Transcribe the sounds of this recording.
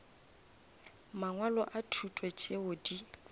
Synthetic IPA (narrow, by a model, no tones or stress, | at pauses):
maŋwalɔʔatʰutʼwɛt͡ʃʼeʊdi